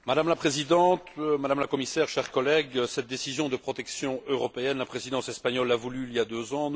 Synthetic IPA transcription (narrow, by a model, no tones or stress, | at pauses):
mad̪amlapχezid̪ɑ̃t̪mad̪amlakɔmisɛʁʃɛʁkɔlɛɡsɛt̪̚d̪esizjɔ̃d̪əpχɔt̪ɛksjɔ̃øʁɔpeɛnlapχezid̪ɑ̃sɛspaɲɔlːavulyiljad̪øzɑ̃